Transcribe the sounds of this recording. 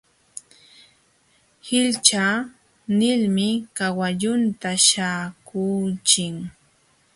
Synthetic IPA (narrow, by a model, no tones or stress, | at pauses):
hɪlt͡ʃa | nɪlmɪkawaʎʊnt̪aʃaːkuːt͡ʃɪŋ